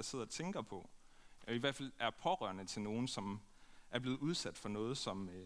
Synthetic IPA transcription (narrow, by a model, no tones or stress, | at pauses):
ɑ̈se̝ð̰ˠɐɒ̽t͡sʰeŋɡ̥ɐpʰɒ̽ | ʔiʋæɐ̰d̥fælæɐpʰɒ̽ʁɶɐ̰nət͡sʰe̝lno̝ːn̩sɒ̽mʔæɐb̥le̝ːð̩ˠuð̞ˠsæd̥fɒ̽nɔ̽ːð̞̩ˠsɒ̽m